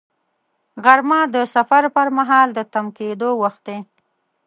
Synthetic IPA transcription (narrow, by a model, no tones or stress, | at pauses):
ɣaɾmɑd̪əsafaɾpəɾmaɦɑld̪ət̪amked̪owaxt̪̚d̪e